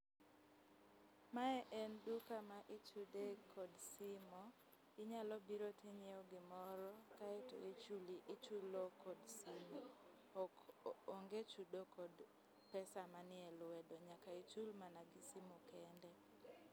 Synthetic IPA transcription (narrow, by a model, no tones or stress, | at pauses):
maɛʔɛndukamaʔɪt͡ʃudekʰɔdsɪmɔ | ɪɲalɔbiɾotiɲeoɡɪmɔɾɔkaɛto̰it͡ʃuliʔɪt͡ʃulokɔdsimo | oŋɡet͡ʃudokɔd | pɛsamanɪɛlwɛdoɲakait͡ʃulmanaɡɪsimokɛndɛ